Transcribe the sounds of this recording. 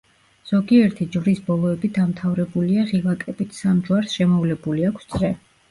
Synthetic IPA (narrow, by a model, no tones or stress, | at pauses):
z̥ɔɡiɛɾt̪ʰid͡ʒvɾisbɔlˠɔɛbid̪amt̪ʰavɾɛbuliaʁilˠakʼɛbit̪ʰsamd͡ʒwaɾsʃɛmɔvlɛbuliakʷʰst̪sʼɾɛ